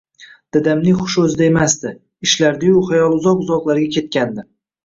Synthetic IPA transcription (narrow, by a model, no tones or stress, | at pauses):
d̪̥ɪd̪amnɪŋχʊ̥ʃɵzɪd̪ae̞masd̪ɪ | ɪʃlaɾd̪ajʊχajɒlˠʊzɒqʊzɒqlˠaɾɡʲakʲʰe̞t̪̚kʲand̪ɪ